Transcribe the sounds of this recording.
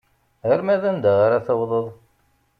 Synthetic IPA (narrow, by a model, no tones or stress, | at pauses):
əɾmæðænd̪aʁaɾaθəwðˤəðˤ